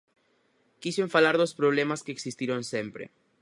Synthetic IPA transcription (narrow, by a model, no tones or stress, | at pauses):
kiseɱfalaɾðospɾoβlemaskeːksist̪iɾonsempɾḛ